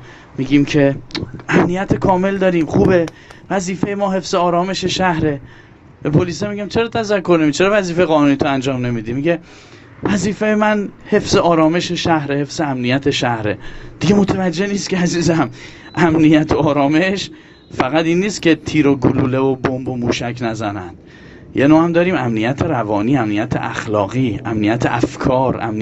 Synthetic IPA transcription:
miːɡiːmcʰe̞æmnijæt̪ʰekʰɒːme̞ld̪ɒːɾiːmxuːbe̞ | væziːfejemɒːɦe̞fz̥eɒːɾɒːme̞ʃe̞ʃæhɾe̞ | be̞pʰoliːs̬emiɡæmt͡ʃʰe̞ɾɒːt̪ʰæzækʰːo̞ɾnemit͡ʃʰe̞ɾɒːvæziːfejɣɒːnuːniːt̪ʰoænd͡ʒɒːmne̞mid̪iːmiɟe̞ | væziːfejemænhe̞fz̥eʔɒːɾɒːme̞ʃe̞ʃæhɾehe̞fz̥eæmnijæt̪ʰe̞ʃæhɾe̞̰d̪̥iɡe̞mo̞t̪ʰevæd͡ʒːe̞hniːst̪kcʰeæziːzæm | ʔæmnijæt̪ʰoɒːɾɒːme̞ʃ | fæɣæt̪inːiːst̪cʰe̞t̪ʰiːɾoɡuluːlevobombomuːʃækʰnæzænæ̰nd̪̥ | jenoːhæmd̪ɒːɾiːmæmnijæt̪ʰe̞ɾævɒːniːæmnijæt̪ʰḛʔæ̰xlɒːɣiːæ̰mnijæt̪ʰeʔæfkʰɒːɾæ̰mn

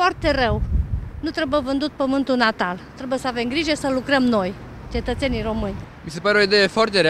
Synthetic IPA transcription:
foart̪e̞rəwnut̪ɾebujevɨnd̪ut̪̚pəmɨnt̪ulnat̪alt̪ɾebujesəave̞mɡɾiʒe̞səlukɾəmno̞j | t͡ʃe̞t̪ət̪se̞nijro̞mɨnʲ | mise̞paɾeo̞id̪eje̞foart̪eɾe

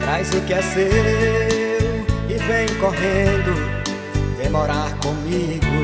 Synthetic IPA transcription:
t̪ɾajzʊkɛse | ɾʊɪvẽj̃koɦẽnd̪ʊ | d̪emɔɾaɾkõmiɡʊ

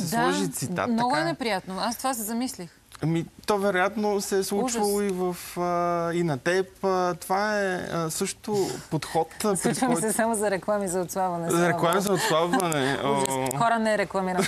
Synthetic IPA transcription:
sɛslˠɔʒit̪sit̪a̰mnɔɡʊɛnɛpɾijat̪noast̪ovas̬ɛzɐmislix | ɐmit̪ɔvɛɾojat̪nosɛslˠut͡ʃvəlˠoivəfəinɐt̪ɛpt̪ovaɛəsɤʃt̪opot̪xɔt̪sluit͡ʃvɐijsɛsamozɐɾɛklˠamizɐot̪slˠabvɐnɛzɐɾɛklˠamizɐot̪slˠabvɐnɛ | xɔɾɐnɛɾɛklˠɐmiɾn

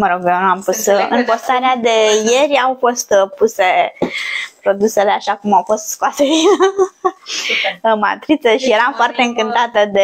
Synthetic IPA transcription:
məɾo̞ɡonuampusɨ̰npo̞st̪aɾead̪e̞jeɾʲawfo̞st̪puse̞ | pɾo̞d̪use̞le̞aʃakumawfo̞st̪skoasej | ma̰t̪ɾit̪səʃije̞ɾamfoart̪e̞ɨŋkɨnt̪at̪əd̪e

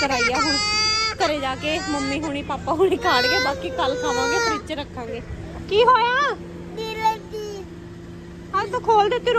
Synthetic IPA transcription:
kəɾaːiːjaːɦʊ̃ːikəɾeːd͡ʒaːkeːsməmːiːɦoːɽ̃iːpaːpaːɦuːɽiːkʰaːɽɡeːbaːkiːkəlkʰaːʋãːɡeːt̪ːɪt͡ʃɾəkʰːãːŋɡeː | kiːɦoːjaː | kiːlekiː | ɦəɾt̪oːkʰoːld̪eːt̪ɪɾ

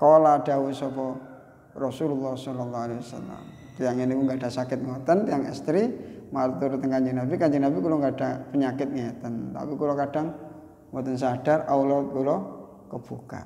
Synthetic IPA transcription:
koladawusɔpɔ | rɔsululːahsɔlɔlːɔhalewasa̰la̰m | t̪ijaŋinikuŋɡadasakɪt̪̚ŋot̪ənt̪ijaŋɛ̰st̪ɾimaɾt̪uɾut̪əŋkaɲd͡ʒəŋnabikaɲd͡ʒɪŋnabikuloŋɡadapəɲakɪt̪̚ŋɔt̪ənt̪a̰pikulokad̥aŋ | mɔt̪əns̬adarawlɔt̪̚kulɔ | kəb̥uka̰t̪

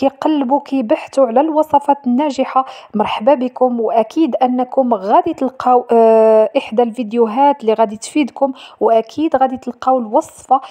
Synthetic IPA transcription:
kiqɑlːbukijbaħt̪uʕlælwɑsˤɑfɑt̪nːæʒəħamɑɾˤħbabikʊmwʔækʰid̪ʔənːkʊmɣæd̪it̪əlqɑwʔəħd̪alvid̪juɦæt̪liɣæd̪it̪fid̪kʊmwʔækʰid̪ɣæd̪it̪əlqɑwəlwɑsˤfɑ

